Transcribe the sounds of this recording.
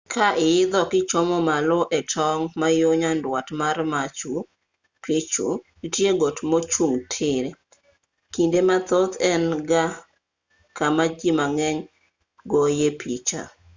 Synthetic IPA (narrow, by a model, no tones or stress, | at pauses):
kʰaʔɪjɪd̪ɔkɪt͡ʃɔmɔmalɔʔɛtʰɔŋmajoɲandwatmarmat͡ʃu | pʰɪt͡ʃṵ | itjeɡotmot͡ʃuŋtʰɪɾe | kindemat̪ot̪ɛnɡa | kamad͡ʒimaŋɛɲ | ɡojepit͡ʃa̰